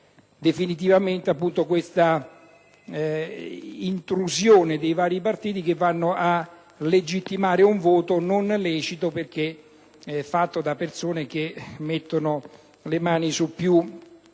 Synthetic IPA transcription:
d̪efinit̪̬ivamɪnt̪eapːunt̪okwest̪a | int̪ɾuzjoːned̪ejvaːɾipart̪iːt̪ik̟evːanːoʔa | led͡ʒit̪ːimaːɾɪuɱvɔːt̪ononlɛːt͡ʃit̪operk̟e | ɛfːat̪ːod̪apːersoːnek̟emːet̪ːonʊ | lemaːnisupːju

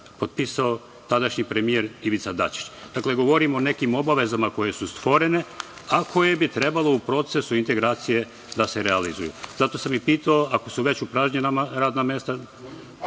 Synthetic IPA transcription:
po̞t̪̚pisao̞ | t̪ad̪aʃɲipɾemijeɾiʋit̪sad̪a̰t͡ʃi̥t͡ʃd̪akle̞ɡo̞ʋo̞ɾimone̞kimo̞baʋe̞zamako̞je̞sust̪ʋo̞ɾe̞ne̞akʰo̞je̞bit̪ɾe̞balo̞upɾo̞t̪se̞suint̪e̞ɡɾaːt̪sije̞ | d̪ase̞ɾealizṵjṵzat̪o̞samipiːt̪aoako̞suʋe̞t͡ɕupɾaːʒɲenamaɾaːd̪namjest̪a

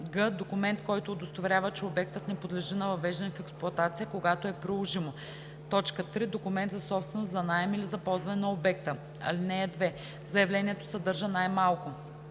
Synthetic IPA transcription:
ɡəd̪okʊmɛnt̪kɔjt̪oːd̪ost̪ovɾʲavət͡ʃɛobɛk̚t̪ət̪nɛpod̪lɛʒinɐvɐvɛʒd̪ɛnɛfɛksplˠʊɐt̪at̪sijəkoɡat̪oɛpɾilˠoʒimo | t̪ɔt͡ʃkət̪ɾid̪okʊmɛnt̪zɐsɔpst̪vɛnost̪zɐnajɛmilizɐpɔlˠzvɐnɛnɐobɛk̚t̪ə | ɐ̰linɛːd̪vɛ | zɐjɐvlɛniɛt̪o̥sɐd̪ɤɾʒənajmalˠkʊ

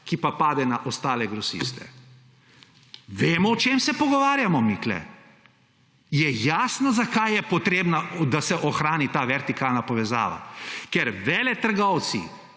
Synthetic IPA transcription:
kipapaːd̪ɛnaʔɔst̪aːlɛɡɾɔsḭːst̪ɛ̰ | ʋeːmɔɔt͡ʃeːmsɛpɔɡɔʋaːɾjamɔmiklɛ̰ | jɛjaːsnazakajjɛpɔt̪ɾeːbnad̪asɛʔɔxɾaːnit̪aːʋɛɾt̪ikaːlnapɔʋɛza̰ːʋa̰kɛɾʋɛːlɛt̪əɾɡɔw̪sḭ

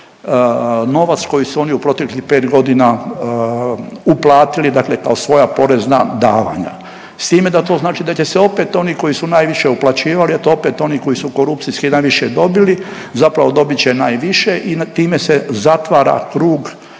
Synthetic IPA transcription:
no̞ʋat̪sko̞jisuo̞niupɾo̞t̪eklihpe̞ːt̪ɡo̞d̪ina | uplˠaːt̪ilid̪akle̞kaosʋo̞japo̞ɾezna̰d̪aːʋa̰ɲa̰ | st̪iːme̞d̪at̪o̞znaːt͡ʃid̪at͡ɕe̞seo̞pe̞t̪o̞niko̞jisunaːjʋiʃe̞uplˠat͡ɕiːʋaliat̪oo̞pe̞t̪o̞niko̞jisukoɾupt̪siskinaːjʋiʃed̪o̞bili | zapɾaʋo̞d̪o̞bit͡ɕenaːjʋiʃe̞ʔit̪iːme̞sezat̪ʋaːɾa̰kɾuːɡ

